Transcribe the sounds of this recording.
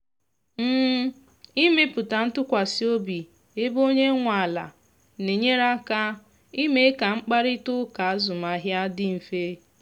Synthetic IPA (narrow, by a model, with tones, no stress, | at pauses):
m̩ː˦ | i˦me˦pʊ˨ta˨n̩˦tʊ˦kʷa˨si˦o˦bi˨ | e˦bo˦ɲe˦ŋʷa˨a˨la̰˨ | ne˨ɲe˦ɾa˦ka˦ | i˦me˦ka˨ŋ͡m̩˦k͡pa˦ɾɪ˦tʊ˦ka˨a˦zʊ˨ma˨ɦja˦dɪ˦m̩˨fe˦